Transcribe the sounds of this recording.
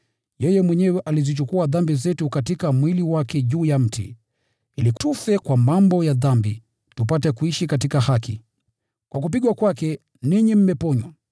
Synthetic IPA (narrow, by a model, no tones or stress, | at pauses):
jɛjɛmwɛɲɛwɛʔalizit͡ʃukuaðambizɛtukatikamwiliwakɛʄuːjam̩tḭ | ilitufɛkwamambɔjaðambi | tupatɛkuiʃikatikahaki | kwak̬up̬iɠwakwakɛ | niɲim̩mɛpɔɲwa